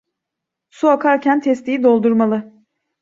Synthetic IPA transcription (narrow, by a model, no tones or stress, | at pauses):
suakʰaɾcʰænt̪ʰɛst̪ijid̪o̞lˠd̪uɾmalˠɯ